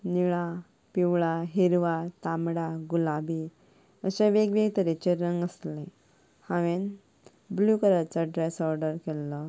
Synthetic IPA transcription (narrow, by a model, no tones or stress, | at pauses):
niɭa | piwɭaɦiɾʋat̪amɽaɡulabi | əsẽʋeɡʋeɡt̪əɾet͡ɕeɾəŋɡəslẽ | hãʋen | blukəɾat͡səɖɾɛsɔɾɖəɾkɛlːɔ